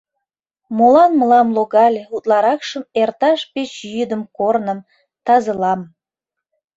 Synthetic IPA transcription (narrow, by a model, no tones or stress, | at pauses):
molɑnməlɑmloɣɑlʲeut̪lɑɾɑkʃəmert̪ɑʃpet͡ɕjyd̪əmkornəm | t̪ɑzəlɑm